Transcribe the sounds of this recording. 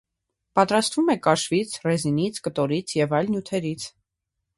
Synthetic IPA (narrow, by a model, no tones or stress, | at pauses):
pɑt̪ɾɑst̪vumɛkɑʃvit͡sʰrɛzinit͡sʰkət̪ɔɾit͡sʰjɛvɑjlnjut̪ʰɛɾit͡sʰ